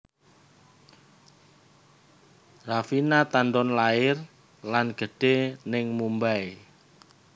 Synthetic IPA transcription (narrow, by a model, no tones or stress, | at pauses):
rafinat̪anɖɔnlaɪr | lanɡ̥ə̤ɖ̥e̤nɪŋmumbae